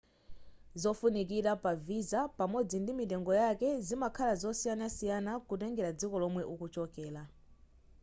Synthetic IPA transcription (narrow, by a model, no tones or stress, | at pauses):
zɔfunik̬iɾapavizapamɔd͡zindimitɛŋɡɔjakɛzimakʰalazɔsijanasijanakut̬ɛŋɡɛɾad͡zikɔlɔmwɛʔukut͡ʃɔkɛːla